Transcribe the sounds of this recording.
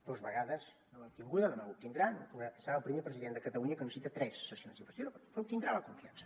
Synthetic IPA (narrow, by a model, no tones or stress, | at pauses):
d̪̥ozβəɣaðəz | nomapt̪iŋɡuðɐðəmaup̚t̪ind̪ɾaunɐsəɾaəlˠpɾimepɾəziðent̪d̪əkɐt̪ɐluɲɐkənəssit̪ɐt̪ɾɛsːəsionsikwəst̪jonpup̚t̪ind̪ɾalɐkuɱfiansɐ̥